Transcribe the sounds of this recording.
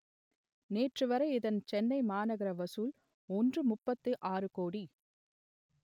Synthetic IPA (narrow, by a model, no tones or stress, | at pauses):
neːʈrɯʋɐɾɐɪɪðɐnt͡ʃɛnːɐɪmaːnɐɣɪɾɐʋɐsul | ɔndrɯmʊpːɐt̪ːɯʔaːrɯkoːɽi